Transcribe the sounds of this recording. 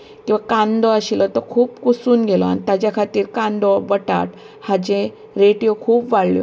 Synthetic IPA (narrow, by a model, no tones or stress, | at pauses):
kĩwʋakãnd̪ɔaɕilɔt̪ɔkʰuːpkusuːnɡelɔa̰nit̪ad͡ʑjakʰat̪iːɾkãnd̪ɔbəʈa̰ʈ | had͡ʑẽ | ɾeʈjokʰuːpʋaɭljɔ̰